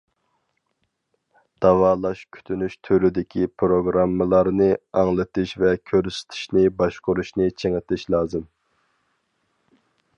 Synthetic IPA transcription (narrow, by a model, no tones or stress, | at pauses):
d̪̥ɑwɑːlˠɑʃkʲʰy̥t̪ʰynyʃt̪ʰyɾyd̪ɪkʲʰipʰɾoɡɾɑmːəlˠɑɾnɨɑŋlˠɨt̪ʰɪʃvɛkʲʰøɾsɪ̥t̪ʰɪ̥ʃnɪbɑʃqʊɾuʃnɪt͡ʃʰeŋɪt̪ʰɪʃlˠɑːzɨm